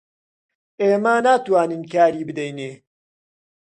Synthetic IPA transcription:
eːmanaːt̪waːnɨnkʰaːɾiːbɨd̪ɛjneː

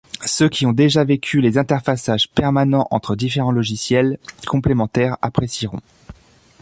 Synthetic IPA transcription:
søkʲiɔ̃d̪eʒavekʲʰylezɛ̃t̪ɛʁfasaʒpɛʁmanɑ̃ʔɑ̰̃t̪χəd̪ifeʁɑ̃lɔʒisjɛlkɔ̃plemɑ̃t̪ɛʁa̰pχesiʁɔ̰̃

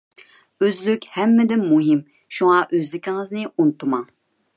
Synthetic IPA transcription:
øzlykʲhɛmːɪd̪ɪnmːuɦɪm | ʃuŋɑʔøzlɪkʲʰɪŋɨznɪunt̪ʰumɑŋ

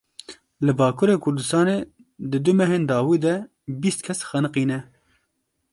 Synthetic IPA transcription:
lɨbɑːkʰuɾeːkʰʊɾd̪ɨst̪ɑːne | d̪ɨd̪ɨmɛɦeːnd̪ɑːwiːd̪ɛ | biːst̪̚kʰɛsxɛnɨqiːnɛ

